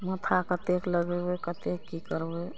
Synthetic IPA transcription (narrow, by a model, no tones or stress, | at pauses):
mət̪ʰakət̪ekləɡebekət̪ekːikəɾbe